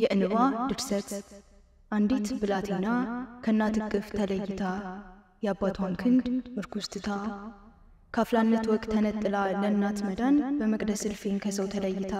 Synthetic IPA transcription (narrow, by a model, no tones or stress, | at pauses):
jɛʔɨnɨβad̪ɨɾsət̪ | ʔand̪it̪bɨlat̪ʰenːakʰəɨnːat̪ʰɨkʼːɨft̪ʰələjːɪt̪ʰa | jabːat̪ʰankʰɨnd̪mɨɾkʰust̪ʼɨt̪ʰa | kʰaflanːət̪wɔkʼt̪ʰːənət̪ʼːɨlalənːat̪məd̪anbəməkʼd̪əsɨlfenkʰəsəwt̪ʰələjːɪt̪ʰa